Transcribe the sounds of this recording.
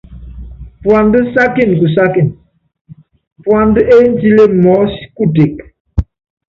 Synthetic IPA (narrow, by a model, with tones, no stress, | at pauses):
pwa˨ndə˦sa˦ki˦˨n˨ku˨s̬a˦ki˦˨n | pwa˨ndə˦ʔe˦n˦ti˦le˦mɔ˨˦si̥˦ku˦˨te˨k